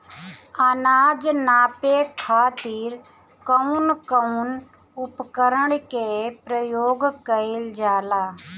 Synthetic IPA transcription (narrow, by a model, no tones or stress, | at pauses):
ənaːd͡ʒnaːpekʰaːt̪iːɾ | kəunkəun | ʊpkəɾəɳkepɾəjoːɡkəɪld͡ʒaːlaː